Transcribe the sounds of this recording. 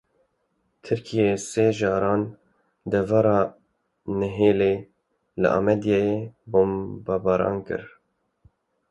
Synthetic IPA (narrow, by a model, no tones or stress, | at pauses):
t̪ʰɨɾkʰijeseːʒɑːɾɑːn | d̪ɛvɑɾɑː | nɨɦeːleː | lɨ̰ʔɑ̰mɛd̪jɑjeboːmbɑːbɑːɾɑ̰ːnkɨ̰ɾ